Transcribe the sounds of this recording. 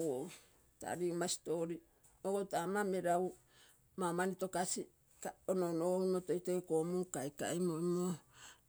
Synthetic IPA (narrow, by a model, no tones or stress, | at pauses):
wo | ta̰ɾiumasi̥to̞ɾi | oɡotamameɾaw | mamanito̞kasi | kaononooimotojtojkomukajka̰imojmo